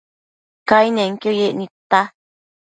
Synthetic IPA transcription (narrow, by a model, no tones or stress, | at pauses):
kainẽŋkojeʔnĩt̪a